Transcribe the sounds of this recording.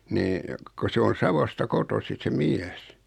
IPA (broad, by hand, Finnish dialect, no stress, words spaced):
niː ko se on̞ sɑʋostɑ kotosi se miæs